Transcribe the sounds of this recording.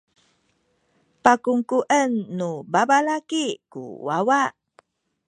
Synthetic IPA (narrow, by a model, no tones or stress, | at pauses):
pakuŋkuʔənːubabalakikṵwawaʔ